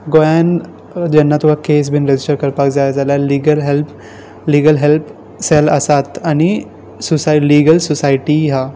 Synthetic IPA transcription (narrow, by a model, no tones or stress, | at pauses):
ɡojan | d͡ʑɛnːat̪uʋ̤akes̬bʱiːnɾed͡ʑisʈəɾkəɾpakd͡zajad͡zaljaliɡəlɦelpʰ | liːɡəlɦelpʰ | sɛləsat̪añi | susaliɡəlsɔsaiʈiɦa